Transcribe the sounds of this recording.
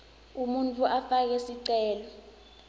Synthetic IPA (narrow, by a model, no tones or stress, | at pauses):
umuntʰʼuʔafak̬ɛsiǀɛːlɔ